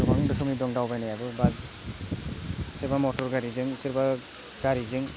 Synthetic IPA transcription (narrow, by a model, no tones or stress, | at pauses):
maŋdɯkʰɯmidɔŋdawbajnajabɯbaz | sɯɾbamɔtɔɾɡaɾizɯŋsɯɾba | ɡ̥aɾizɯŋ